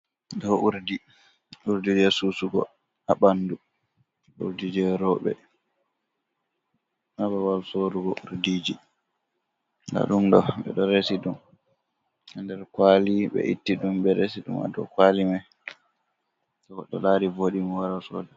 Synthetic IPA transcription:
dɔʔuɾdi | uɾdid͡ʒɛsuːsuɡɔ̰ | aɓandu | ṵɾdid͡ʒɛɾɔɓɛ̰ | ʔabawalsoɾuɡɔuɾdiːd͡ʒi | na̰ɗumɗɔɓɛ̰ɗɔɾesiɗum | andɛɾkwaliɓɛ̰ʔitːiɗumbɛɾesiɗṵma̰dɔ̰kwalimaj | tɔɔɗɔlaɾivoɗimɔwaɾasɔ̰dɛ

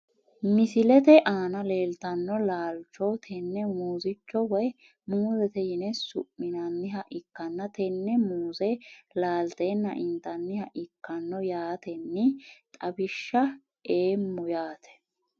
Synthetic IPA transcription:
mɪsɪlɛt̪ɛʔaːnɐle̞ːlt̪ɐnːɔlaːlt͡ʃoːt̪ʰɛnːɛmuːzɪt͡ʃːɔwɐj | muːzɛt̪ɛjɪnɛsʊ̰pːɪnɐnːɪɦɐʔɪkːɐnːɐt̪ɛnːɛmuːzɛlaːlt̪eːnːɐ̰ʔɪnt̪ɐnːɪhɐʔɪkːɐnːɔjaːt̪ɛnːɪt̪ʼɐbɪʃːɐ | eːmːʊjaːt̪ʰɛ̥

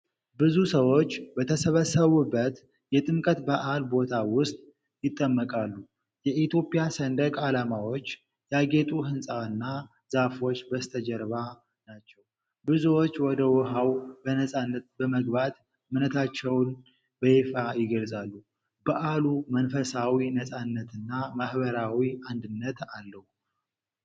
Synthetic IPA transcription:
bɨzusəwo̞t͡ʃːbət̪ʰəsəβəsːəβubːət̪ | jɛt̪ʼɨmkʼət̪baʔalbo̞t̪ʰawʊst̪ʼ | jɪt̪ʼːəmːəkʼalːu | jɛʔit̪jo̞pʼɪjasənd̪əkʼalamawo̞t͡ʃː | jaɡe̞t̪ʼuɦɨnsʼaɨnːa | z̥afo̞t͡ʃːbəst̪ʰəd͡ʒəɾβa | nat͡ʃːɛw | bɨzuwo̞t͡ʃːwɔd̪əwɔɦawbənəsʼanːət̪bəməɡbat̪ | mɨnət̪ʰat͡ʃːɛwn | bəjefajɪɡəlsʼalːu | bəʔalumənfəsawinəsʼanːət̪ɨnːamahβəɾawiand̪ɨnːət̪alːəhu

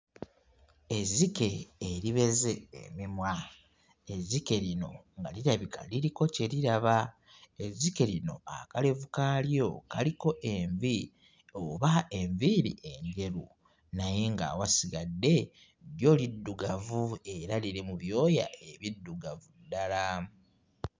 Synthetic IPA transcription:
e̞zike̞ːɾiβe̞ze̞̰ːmimwa | ezike̞lino̞̰ŋɡa̰liɾaβika̰liɾiko̞ce̞liɾaβa | ezike̞lino̞a̰kale̞vukaːljo̞kaliko̞ʔeɱvi | oβae̞ɱviɾḭʔe̞ɲɟe̞ɾu | naje̞ŋɡa̰ːwasiɡadːe̞ | ɾjo̞ːlidːuɡavue̞ɾaliɾemuβjo̞ːja̰e̞βidːuɡavudːala

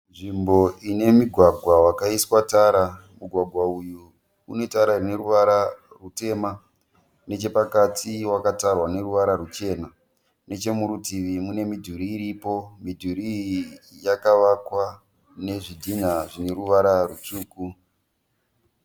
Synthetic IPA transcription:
nʐimbo̞ine̞miɡʱwaɡʱwawakaiswataːɾamuɡʱwaɡʱwauju | une̞taɾarine̞ɾuʋaɾa | rute̞ːma | ne̞t͡ʃe̞pakatʰiwakatarwane̞ɾuʋaɾaɾut͡ʃe̞na | ne̞t͡ʃe̞muɾutiʋimune̞midʱuɾiːɾipo̞midʱuɾijakaʋakwa | ne̞ʐidʱin̤aʐine̞ɾuʋaɾarut͡ʂuːku

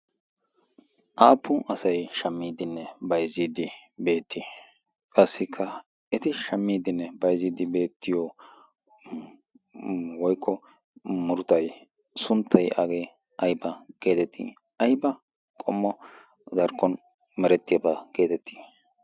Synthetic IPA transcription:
ʔaːpʰːʊʔɐsɐjʃɐmːiːd̪ɪnːɛbɐjziːd̪ɪbe̞ːt̪ʰːi | kʼɐsːɪkʰːɐ | ʔɪt̪ɪʃɐmːiːd̪ɪnːɛbɐjziːd̪ɪbe̞ːt̪ʰːɪjɔ | wɔjkʰːɔ | mʊɾʊt̪ɐj | sʊnt̪ʰːɐjʔɐɡe | ʔɐjbɐɡ̥e̞ːt̪ɛt̪ʰːḭ | ɐjbɐ | kʼɔmːɔ | d̪ɐɾkʰːɔn | mɛɾɛt̪ːɪjɐbɐɡ̥e̞ːt̪ɛt̪ʰːi̥

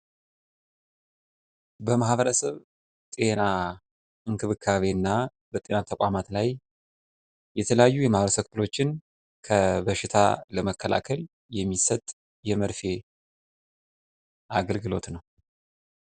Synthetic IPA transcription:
bəmahβəɾəsəβ | t̪ʼe̞na | ɨŋkʰɨβɨkʰːaβe̞nːa | bət̪ʼe̞nat̪ʰəkʼamat̪laj | jɛt̪ʰələjajːujɛmahβəɾəsəkfɨlo̞t͡ʃːɪn | kʰəbəʃɪt̪ʰa̰ləməkːəlʔa̰kʰəl | jɛmːisət̪ʼ | jɛməɾfe̞ | ʔaɡəlɡɨlo̞t̪nəw

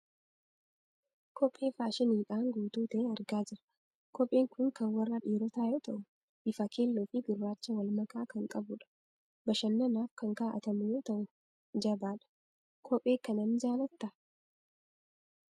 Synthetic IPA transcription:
kʰɔpʼːe̞ːfaːʃɪniːᶑaːŋɡuːt̪uːt̪ɛːɐɾɡaːd͡ʒɪɾɐ̥ | kɔpʼːeːŋkʊŋkɐnwɐrːɐᶑiːɾɔt̪aːjɔt̪ɐʔʊ | ʔɪfɐkʰeːlːoːfɪɡɪrːaːt͡ʃːɐwɐlmɐkaːkɐŋkʼɐbʊᶑɐ̥ | bɐʃɐnːɐnaːfkɐŋkaʔɐ̰t̪ɐmʊjoːt̪ɐʔʊ | d͡ʒɐbaːᶑɐ̥ | kʰɔpʼːe̞ːkɐnɐmd͡ʒaːlɐt̪ːɐ

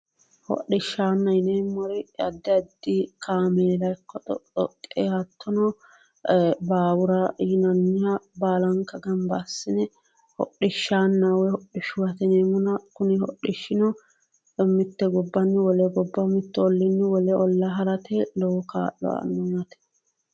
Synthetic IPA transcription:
hɔ̰ɗɪʃːaːnːɐjneːmːɔɾɪɐd̪ːɪɐd̪ːɪkʰaːmeːlɐjkːɔt̪ɔ̰t̪ɔ̰kʼːehɐt̪ːɔnɔ | baːwʊɾɐnɐnːɪjabaːlɐŋkːɐɡɐmbasːɪnɛ | hɔ̰ɗɪʃːaːnːawɛhɔɗɪʃʊwɐt̪ɛneːmɔnɐkʊnɪhɔ̰ɗɪʃːɪnɔ | mːɪt̪ːɛɡɔbːɐnːɪwɔlɛɡɔbːɐmɪt̪ːɛɔlːɪnːɪwɔlɛɔlːɐɦɐɾɐt̪ɛlɔwɔka̰ːʔːɔ̰ɐ̰nːɔmɐt̪ɛ̥

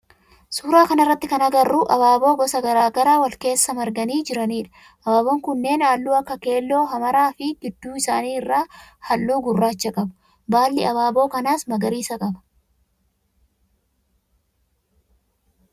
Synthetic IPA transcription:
suːɾaːkɐnɪrːɐt̪ːɪkɐnɐɡɐrːuːʔɐβaːbo̞ːɡɔsɐɡɐɾaːɡɐɾaːwɐlke̞ːsːɐmɐɾɡɐniːd͡ʒɪɾɐniːᶑɐ̥ | ʔɐbaːboːŋkʊnːe̞ːnaːlːuːɐkːɐke̞ːlːo̞ːɦɐmɐɾaːfɪɡɪd̪ːuːɪsaːniːɪrːaːhɐlːuːɡʊrːaːt͡ʃːɐkʼɐbɐ̥ | baːlːɪɐβaːbo̞ːkɐnaːsmɐɡɐɾiːsɐkʼɐbɐ̥

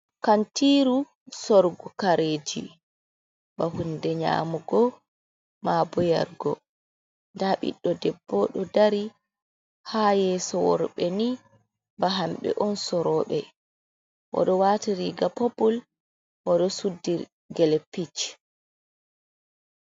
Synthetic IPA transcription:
kantiːɾu | sɔɾɡɔkaɾeːd͡ʒḭ | ɓahundɛɲa̰ːmuɡɔ | mabɔja̰ɾɡɔ̰ | ndaɓḭɗːɔdɛbːɔɗɔdaɾi | haːjɛːsɔwɔ̰ɾɓɛni | baɦamɓɛ̰ʔɔnsɔɾɔːɓɛ | ʔɔ̰ɗɔwaːtiɾiɡapopɔl | waɗɔsudːiɾ | ɡɛlɛpit͡ʃ

